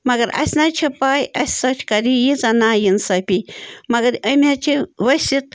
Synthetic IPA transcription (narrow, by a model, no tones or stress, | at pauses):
mɐɡɐɾɐ̰sʲnat͡ʃʰɐpaːjɐsʲsɐt͡ʃʰkaɾijit͡sanajinsɐpʲimɐɡɐɾəmʲat͡ʃʰiʋɐsit̪̚